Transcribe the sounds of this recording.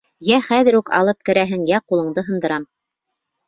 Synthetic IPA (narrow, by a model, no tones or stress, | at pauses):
jæχæðɘ̆ɾukɑ̰lˠɤp̚kɘ̆ɾæɦɘŋjæqulˠɤ̆ɴd̪ɤɦɤ̆nd̪ɤ̆ɾɑm